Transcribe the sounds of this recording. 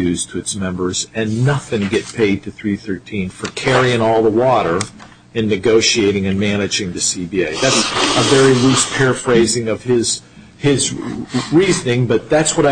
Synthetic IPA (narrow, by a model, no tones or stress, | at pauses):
ʉz̥tʰɨɨtsmɛ̃mbə˞zɨ̃nːʌθɪ̃ŋɡɛt̚pʰeɪd̚tʰɨθɹiθɜ˞tʰĩnfə˞kʰɛɹiɪ̃ŋɔlˠðəwɔɾə˞ | ɨ̃nːɨɡoʊʃieɪɾɪ̃ŋɨ̃nmænɨd͡ʒɪ̃ŋðɨsibieɪðætsəvɛɹilʉspʰɛɹfɹeɪzɪ̃ŋʌv̥ɪz̥ | ɪzɹiznɪ̃ŋbʌt̪̚ðætswʌɾaɪ